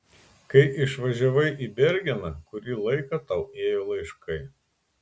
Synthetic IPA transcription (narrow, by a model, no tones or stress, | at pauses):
kɐɪʔɪʃʋɐʒʲɛʋɐɪʔiːbʲɛɾʲɡʲɛnɐkʊɾʲiːlˠɐɪkɐt̪ɐʊeːjoːlˠɐɪʃkɐɪ